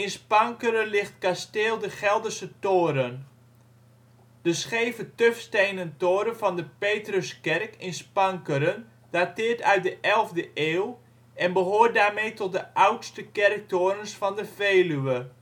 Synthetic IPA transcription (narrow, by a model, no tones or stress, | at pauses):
ɪnspɑŋkəɾənlɪχtkasteːlˠdəχɛlˠdəsətoːɾən | d̥əsχejvətøfstejnəntoːɾənvɑndəpeːtrəskɛrkɪnspɑŋkəɾən | d̥atɪːrtœɥt̚dəʔɛlˠvdəʔeːw | ɛnbəɦoːrt̚daːrmejtɔt̚dəʔawtstəkɛrk̚toːɾənsfɑndəfeːlyə